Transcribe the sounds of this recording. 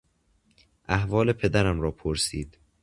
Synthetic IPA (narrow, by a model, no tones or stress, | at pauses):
ʔæhvɒːle̞pʰe̞d̪æɾæmɾɒːpʰoɾsiːd̪̥